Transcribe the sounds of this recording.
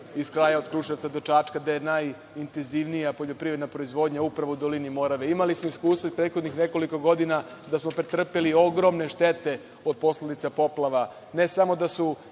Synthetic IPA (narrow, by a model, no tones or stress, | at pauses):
iskɾaːjaod̪kɾuːʃeʋtsad̪o̞t͡ʃat͡ʃkad̪ajenaj | int̪enziʋnijapo̞ʎo̞pɾiɾe̞d̪napɾo̞izʋo̞d̪ɲaupɾaʋoud̪o̞linimo̞ɾaʋeimalismoiskuːst̪ʋapɾeːt̪xo̞d̪nixne̞ko̞liko̞ɡo̞d̪ina | d̪asmo̞pɾet̪r̩pelio̞ɡɾo̞mne̞ʃt̪et̪e̞ | od̪̚po̞sled̪it̪sapo̞plˠaʋa | ne̞samo̞d̪asu